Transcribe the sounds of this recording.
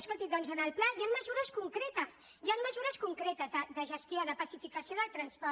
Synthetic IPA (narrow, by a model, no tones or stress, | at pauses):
spət̪id̪ɔnzənəlplajamməzuɾəskuŋkɾet̪əs | jamməzuɾəskuŋkɾet̪əzðəðəʒəst̪joðəpəsifikəsjoðəlˠt̪ɾənspɔ